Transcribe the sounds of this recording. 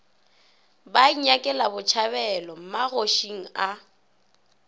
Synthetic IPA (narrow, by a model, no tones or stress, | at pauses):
baiɲakʼɛlabʊt͡ʃʰaβɛlɔm̩maɣoʃiŋ̩a